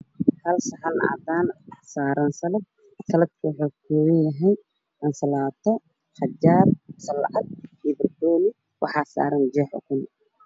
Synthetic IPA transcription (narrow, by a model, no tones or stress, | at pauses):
hɐlsɐħɐna̰d̪aːnɑħsaːɾɐnsɐlɐd̪̚ | sɐlɐd̪kʰɐwʊħokʰɔwɛjɐɦɛj | ʔɐnsɐlaːt̪ʰɔ | ħɑd͡ʒaːrsɐlʕɑd̪̚hibɪrkɔːlɪ | wʔɑħɑːsa̰ːɾɐnd͡ʒɛːħɔ̰kʊn